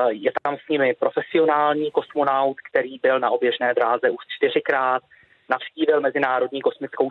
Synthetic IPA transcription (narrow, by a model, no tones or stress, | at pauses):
jɛt̪amsɲɪmɪpɾo̞fɛsɪo̞naːlɲiːko̞smo̞nawt̪kt̪ɛɾiːbɪlnaʔo̞bjɛʒnɛːd̪ɾaːzɛʔuʃt͡ʃt̪ɪr̝ɪkɾaːt̪ | nafsciːvɪlmɛzɪnaːɾo̞dɲiːko̞smɪt͡skow